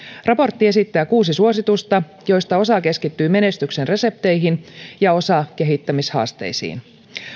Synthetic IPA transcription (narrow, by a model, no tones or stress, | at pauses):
rɑpo̞rt̪ːie̞sit̪ːæːkuːsisuo̞sit̪ust̪ɑ | jo̞jst̪ɑo̞sɑke̞skit̪ːyːme̞ne̞st̪yksenre̞se̞p̚t̪e̞jɦinjɑo̞sɑke̞ɦit̪ːæmishɑ̰ːst̪e̞̰jsḭːn